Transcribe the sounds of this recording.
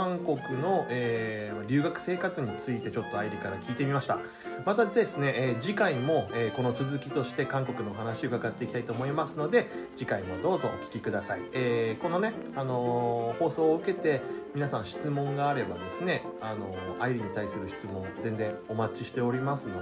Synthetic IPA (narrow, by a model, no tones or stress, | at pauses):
ãŋko̞kɯ̟no̞eːaɾʲɨ̟ːɡakɯ̟̥se̞ːkat͡sɨɲ̟it͡sɨit̪e̞t͡ɕo̞t̪ːo̞aiɾʲikaɾakʲiːt̪emʲimaɕi̥t̪a | mat̪add̪e̞sɨne̞ʔːd͡ʑikaimo̞eːko̞no̞t͡sɨzɨkʲi̥t̪o̞ɕi̥t̪e̞kãŋko̞kɯ̟no̞ːɦanaɕio̟kaɡat̪ːe̞ikʲit̪ait̪oːmo̞imasɨno̞d̪e̞d͡ʑikaimo̞d̪o̞ːzo̞ːkʲi̥kʲikɯ̟d̪asaieːko̞no̞ne̞ano̞ho̞ːso̞ːɯ̟ke̞t̪e̞mʲinasãñɕi̥t͡sɨmõ̞ŋɡaːɾe̞ba̰d̪e̞sɨne̞ano̞̰aiɾʲiɲ̟it̪aisɨɾɯ̟çi̥t͡sɨmõ̞ŋd͡zẽ̞nd͡zẽ̞ŋ̃o̞mat͡ɕiɕi̥t̪e̞o̞ɾʲimasɨno